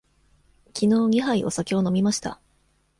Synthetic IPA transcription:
kʲʰino̞ːɡʲiɦaiʔo̞̰sakʲe̞o̞no̞mʲimaɕi̥t̪a̰

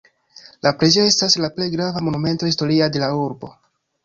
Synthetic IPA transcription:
lapɾez̬io̞e̞staslaple̞jɡɾavamonume̞nto̞his̬to̞ɾiade̞lauɾbo̞̰

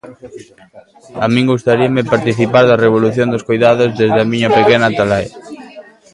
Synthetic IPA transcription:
amĩŋɡust̪aɾiamɪpaɾt̪iθipaɾðareβ̞oluθjond̪oskojðaðozðezðamiɲapekenat̪alae

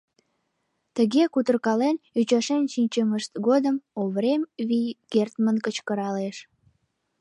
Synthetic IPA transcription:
t̪əɣekut̪ərkɑlenyt͡ɕɑʃenʃinʲt͡ɕəməʃt̪ɣod̪əmoβɾemβikert̪mənkət͡ɕkəɾɑleʃ

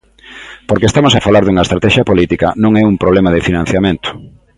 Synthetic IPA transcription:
poɾkeːst̪amosafalaɾðuŋɐest̪ɾat̪ɛʃjɐpolit̪ikɐnõŋɛumpɾoβlɛmaðɪfinãn̟θjamẽnt̪ʊ̥

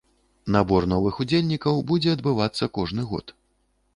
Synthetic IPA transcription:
nabɔrnɔvɨxud͡zʲelʲnʲikɐwbud͡zʲɛɐd̪bɨvat̪sːɐkɔʐnɨɣɔ̰t̪

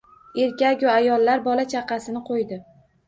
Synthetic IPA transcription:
eɾkʲakʲʊajɒlːaɾbɒlat͡ʃʰɑqɑsɪnɪqʰojd̪ɪ

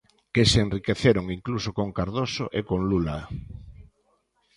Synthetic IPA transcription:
kesenrikeθeɾoŋiŋklusokoŋkaɾðosoʔekoŋlula

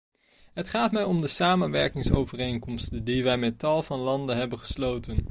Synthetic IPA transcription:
ɦətχaːtmɛjɔmdəsaːmənʋɛɹkɪŋsowvərejŋkɔmstədiʋɛjmɛtɑlˠvɑnlɑndənɦɛbənχə̥slowtən

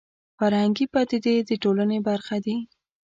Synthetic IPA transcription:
faɾhaŋɡipɑt̪ɪd̪ed̪əʈolanebaɾxad̪i

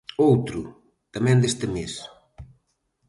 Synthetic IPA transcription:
owt̪ɾʊ | t̪amɛ̃nd̪est̪ɪmes

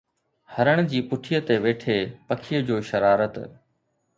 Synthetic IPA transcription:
hɐɾəɽ̃ʊd͡ʑiːpʊʈʰijət̪eʋeːʈʰepɐkʰijəd͡ʑoːʃɐɾaːɾət̪

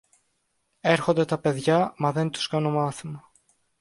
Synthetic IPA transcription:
e̞ɾxo̞nd̪e̞t̪ɐpe̞ðʝɐmɐðe̞nt̪u̥skɐno̞mɐθimɐ

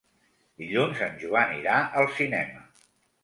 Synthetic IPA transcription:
d̪iʎunzənʲʒuaniɾaʔəlˠsinɛmə

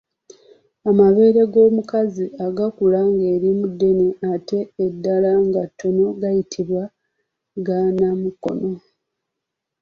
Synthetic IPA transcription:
amaβe̞ːɾe̞ɡo̞ːmukaziaɡakulaŋɡe̞ːɾimudːe̞neate̞ːdːalaŋɡatːo̞no̞ɡajitʰiβwa | ɡanamuko̞̰no̞

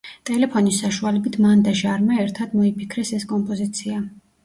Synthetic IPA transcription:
t̪ʼɛlɛpʰɔnisːaʃualɛbit̪ʰmand̪aʒaɾmaɛɾt̪ʰad̪mɔipʰikʰɾɛsɛskʼɔmpʼɔzit̪sʰia

